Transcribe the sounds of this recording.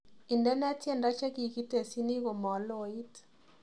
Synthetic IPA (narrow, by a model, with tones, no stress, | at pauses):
i˨ndɛ˦nɛ˦tjɛ˦˨nda˦t͡ʃa˦ki˨ki˦te˨si˦ni˦ko˨mɔ˨lo˨i˦t